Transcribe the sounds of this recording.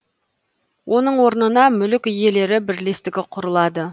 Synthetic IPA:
wʔo̞nəɴwo̞ɾnənɑmʏlɪkʲɪje̞le̞ɾɪbɪɾle̞st̪ɪɡʲɪqʰʊɾəlˠɑd̪ə

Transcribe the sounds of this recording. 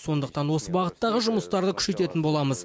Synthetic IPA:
so̞nd̪əq̚t̪ɑnwo̞səbɑʁət̪ːɑʁəʒʊməst̪ɑɾd̪əkʲʰʏ̥ʃe̞t̪e̞t̪ɪnbo̞lˠɑməz

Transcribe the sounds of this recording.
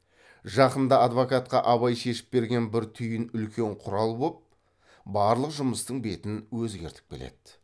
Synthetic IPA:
ʒɑqənd̪ɑɑd̪vokɑt̪̚qɑʔɑβɑjʃe̞ʃɪ̥p̚be̞ɾɡʲe̞nbɪɾt̪ʰʏjɪnʏlkʲʰe̞ɴqʰʊɾɑlˠbop̚ | bɑɾlˠəqʒʊməst̪əɴbe̞t̪ɪnwɵzɡʲe̞ɾt̪ɪk̚kʲele̞̰d̪̥

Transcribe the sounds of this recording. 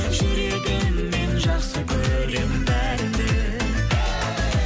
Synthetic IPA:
ʃiɾed̪enmenʒɑqsəkʲʰɵɾɾɾembæɾd̪e

